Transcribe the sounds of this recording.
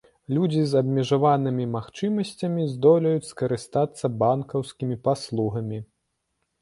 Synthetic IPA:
lʲud͡zʲizɐbʲmʲɛʐavanɨmʲimaxt͡ʂɨmɐsʲt͡sʲɐmʲizd̪ɔlʲɐjut͡sʲskɐɾɨst̪at̪sːɐbankɐwskʲimʲipaslˠuɣɐmʲi

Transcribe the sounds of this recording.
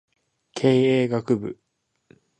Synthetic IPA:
kʰeːeːɡakɯ̟bɯ̟̰

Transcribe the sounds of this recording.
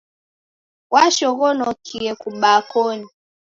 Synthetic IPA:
waʃɔɣɔnɔkʰiɛkuɓakɔni

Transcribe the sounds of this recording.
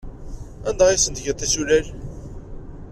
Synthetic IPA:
ænd̪ɑʁisənt̪ʝət̪æsulæl

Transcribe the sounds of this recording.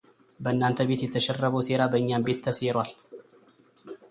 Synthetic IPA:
bəɨnːant̪ʰəbe̞t̪jɛt̪ʰːəʃɛrːəβəwse̞ɾabəɨɲːambe̞t̪ʰːəsjɛɾwal

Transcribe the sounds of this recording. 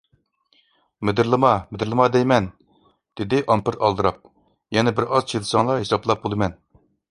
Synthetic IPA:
med̪ɪɾlˠɨmɑmɪd̪ɪɾlˠɨmɑd̪ɛjmɛn | d̪̥ɪd̪ɪʔɑmpɪɾɑlˠd̪ɨɾɑp̚ | jɛnɛbɪɾɑzt͡ʃʰelɨsɑŋlˠɑɦesɑplˠɑp̚bolˠɨmɛn

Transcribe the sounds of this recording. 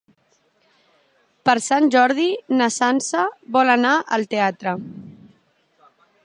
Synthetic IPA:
pəɾsanʲʒɔɾð̞inəsansəβɔlənaʔəlˠt̪eat̪ɾə

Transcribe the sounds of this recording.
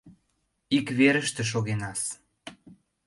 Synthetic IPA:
ikβeɾəʃt̪ĕʃ̬oɣenɑs

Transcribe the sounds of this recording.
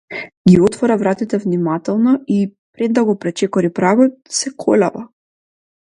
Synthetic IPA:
ɡiɔt̪vɔɾavɾat̪it̪ɛvnimat̪ɛlˠnɔipɾɛd̪ːaɡɔpɾɛt͡ʃɛkɔɾipɾaɡɔt̪̚sɛkʰɔlʲava

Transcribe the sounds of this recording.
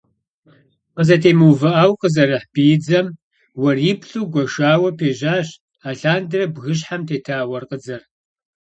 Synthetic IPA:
qəzɐtʰeːmuwvɨʔaːwqəzɐrɨħb̥ijd͡zɐm | wɐripɬuːɡʷɔʃaːwɐpʰeːʒaːɕ | aːɬaːndɨrɐbɣɨɕ̬ħamtʰeːtʰaːwɐrqəd͡zɐr

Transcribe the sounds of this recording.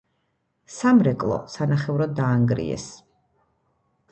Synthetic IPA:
samɾɛkʼlˠɔ̰sanaχɛvɾɔd̪aːŋɡɾḭɛ̰s

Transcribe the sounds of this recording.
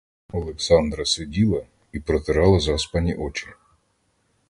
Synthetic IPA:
ɔlˠeksɑnd̪ɾɐsʊdʲilˠɐ | ipɾɔt̪eɾɑlˠɐzɑspɑnʲiʔɔt͡ʃɪ

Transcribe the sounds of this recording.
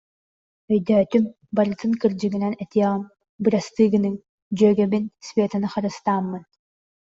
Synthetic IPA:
œjd̪œːt̪ym | baɾɯt̪ɯŋkɯɾd͡ʑɯɡinɛnɛt̪iɛʁɯm | bɯɾast̪ɯːɡɯnɯŋ | d͡ʑœːɡɛbinsvʲeːt̪anɯχaɾɯst̪aːmːɯn

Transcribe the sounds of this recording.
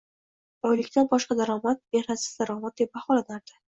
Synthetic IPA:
bɒjlɪkʲt̪ʰanbɒʃqɑd̪aɾɒmat̪̚be̞nasɪ̥zd̪aɾɒmat̪̚d̪e̞p̚baχɒlanaɾd̪̥ɪ

